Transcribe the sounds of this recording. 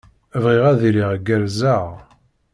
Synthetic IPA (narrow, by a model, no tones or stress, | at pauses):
əvʁiʁæðiliʁɡːəɾzaʁ